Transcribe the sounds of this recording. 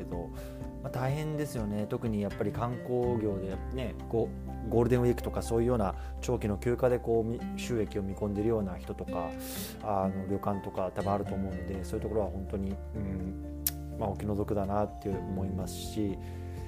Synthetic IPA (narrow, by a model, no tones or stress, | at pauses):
ed̪o̞ | mat̪aiɦẽ̞nd̪e̞sɨjo̞ne̞t̪o̞kɯ̟ɲ̟ijapːaɾʲikãŋko̞ːɡʲo̞ːd̪e̞ne̞ɡ̥o | ɡo̞ːɾɯd̪ẽɰ̃ikɯ̟̥t̪o̞kaso̞ːjɯ̟jo̞ːna | t͡ɕo̞ːkʲino̞kʲɨːkad̪e̞ko̞ːmʲiɕɨːe̞kʲio̞mʲikõ̞nd̪e̞ɾɯ̟jo̞ːnaçi̥t̪o̞t̪o̞ka | ano̞ɾʲo̞kãnt̪o̞kat̪abɯ̟̃aɾɯ̟t̪o̞ːmo̞ɯ̟nod̪e̞soːjɯ̟t̪okoɾoaɦõ̞nt̪o̞ɲ̟i | ɯ̟̃ɴ | mao̞kʲino̞zo̞kɯ̟d̪anat̪ːeɯomo̞imasɨ̥ɕi